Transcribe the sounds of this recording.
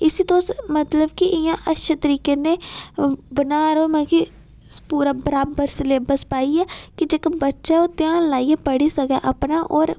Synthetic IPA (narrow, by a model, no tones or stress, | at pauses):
ɪsiːt̪oːsmət̪ləbkɪʔɪjãːʔətʃət̪əɾiːkẽːneː | bənaːɾəɦomãki | puːɾaːbəɾaːbəɾsɪleːbəspaːiːɛːkɪd͡ʒeːkəbətːʃaoːt̪ɪjaːnlaːiepəɽiːsəɡɛːʔapnaːʔɔːɾ